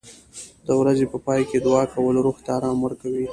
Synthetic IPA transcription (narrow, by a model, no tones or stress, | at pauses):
d̪̥əwɾazepəpɑjked̪wɑkawəloɾuxt̪aːɾɑmwəɾkawi